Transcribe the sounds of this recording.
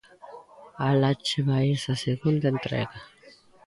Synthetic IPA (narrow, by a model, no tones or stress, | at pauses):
alat͡ʃeβaesaseɣund̪aent̪ɾḛɣa